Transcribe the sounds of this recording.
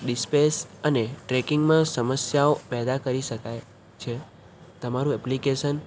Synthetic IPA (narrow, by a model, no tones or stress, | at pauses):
ɖispesəneʈɾekiŋɡmãsəməsjaopɛd̪akəɾiʃəkaj | t͡ʃʰe | t̪əmaɾũɛplikeʃən